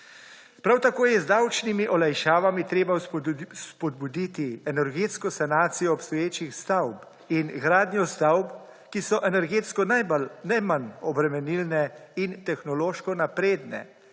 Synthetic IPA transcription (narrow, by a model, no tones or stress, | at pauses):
pɾawt̪akoːjɛzd̪awt͡ʃnimiʔɔlajʃaːʋamit̪ɾeːbaspɔd̪̚bud̪it̪iɛnɛɾɡeːt̪skɔsanaːt̪sijɔːpst̪ɔjeːt͡ʃixst̪awp | inɡɾaːd̪njɔst̪awp | kisɔʔɛnɛɾɡeːt̪skɔnablnɛmanɔbɾɛmɛnilnɛint̪ɛxnɔloːʃkɔnapɾeːd̪nɛ̰